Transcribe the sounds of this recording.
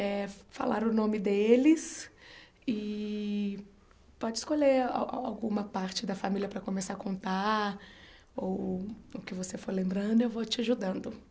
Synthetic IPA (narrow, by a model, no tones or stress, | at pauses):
ɛfa̰laɾʊnõmɪd̪elɪs | ɪ | pɔd͡ʒɪskoʎea̰a̰wɡũmɐpaɾt͡ʃɪd̪ɐfamiljɐpɾɐkõmesaɾkõnt̪a | owʊkɪvosefoɾlẽmbɾɐ̃nd̪ʊewvot͡ʃɪaʒud̪ɐ̃nd̪ʊ